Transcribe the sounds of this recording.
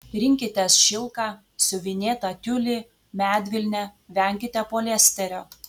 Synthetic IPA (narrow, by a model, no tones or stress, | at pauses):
ɾʲɪŋʲkʲɪt̪ʲɛsʃʲɪlˠkɑː | sʊʋʲɪnʲeːt̪ɑt̪ʲʊlʲɪ | mʲæːd̪ʲʋʲɪlʲnʲɛʋʲɛˑŋʲkʲɪt̪ʲɛpoːlʲɛsʲt̪ʲɛɾʲoː